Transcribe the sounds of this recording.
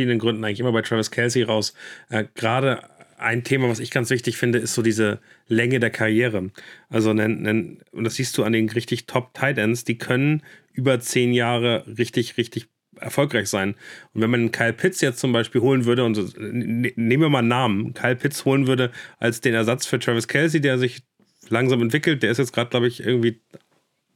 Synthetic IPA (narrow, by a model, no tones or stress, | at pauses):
fiːdndənɡʁʏndn̩aɪŋlɪçʔɪmɐbaɪtʁ̥avɐskʰɛlsiʁaʊsʔɛːɡ̥ʁaːɾəʔa̰ɪntʰeːmavasɪçɡ̥ant͡sv̥ɪçtɪçfɪndəɪstz̥oːdiːzəlɛŋədeːɐkʰaʁjeːʁəʔalzonənəʔʊ̰ntd̥asz̥iːst̚d̥uːandeːnʁɪçtɪçtʰɔptʰaɪdɛnsd̥iːkʰœnənʔyːbɐt͡seːnjaːʁəʁɪçtɪçʁɪçtɪç | ʔɛ̰ɐfɔlkʁaɪçz̥aɪnʔʊntv̥ɛnmanɪnkʰaɪlpʰɪtt͡sjɛt͡stt͡sʊmbaɪʃpiːlhoːlənvʏɐɾəʊnt | neːmviːɐmaːlnaːmənkʰaɪlpʰɪtt͡shoːlənvʏɐɾəʔalsd̥eːnɛɐzat͡sfyːɐtʁ̥ɛvɪskʰɛls̬ideːɐzɪç | laŋzaːmɛntv̥ɪkl̩t̚d̥eːɐɪstjɛt͡stɡ̥ʁaːdəɡ̥laʊbəɪçʔɪ̰ɐɡŋ̩tv̥iː